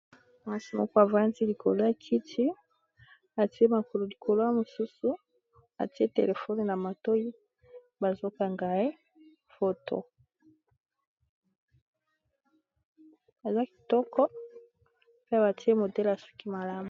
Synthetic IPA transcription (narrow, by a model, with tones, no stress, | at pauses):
ma˦si˨mɔ̰˦kɔ˦a˨va˦nzi˦li˨kʰo̰˨lo˦a˦˨kʰi˦tʰi˦ | a˨ti˦e˦ma˨ko˨lo˨li˨kʰo˨lo˦a˦mo˨su˦su˦ | a̰˨ti˦e˦tḛ˨le˨fo˦n˨na˨ma˨to˦i˦ | ba˨zo˦ka˨ŋɡa˨e˦ | fo˦to̰˦˨ | a˨za˦ki̥˨tɔ˦kɔ˦ | pe˦a˨ba˨ti˦e˦mo˨dɛ˦la˨su̥˦ki˦ma˨la˦mu˨